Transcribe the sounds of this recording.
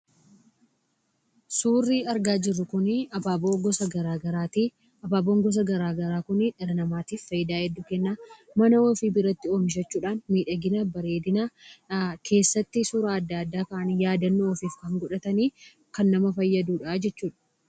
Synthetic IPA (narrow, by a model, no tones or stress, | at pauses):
suːrːiːɐɾɡaːd͡ʒɪrːʊkʊnɐbaːboːɡɔsɐɡɐɾaːɡɐɾaːt̪iː | ɐbaːboːŋɡɔs̬ɐɡɐɾaːɡɐɾaːkʊnɪᶑɛɾɐnɐmaːt̪iːfːɐjɪd̪aːhɛd̪ːʊkɛnːaː | mɐnɐoːfiːbɪɾɐt̪ːɪoːmɪʃ̬ɐt͡ʃːuːᶑaːnmiːᶑɐɡɪnabɐɾeːd̪ɪnaː | kʰe̞ːsːɐt̪ːɪsʊɾaːd̪ːaːd̪ːaːkɐʔɐnjaːd̪ɐnːoɔfiːfkɐŋɡɔᶑɐt̪ɐniː | kɐnːɐmɐfɐjːɐd̪uːᶑaːd͡ʒɛt͡ʃːuːᶑɐ̥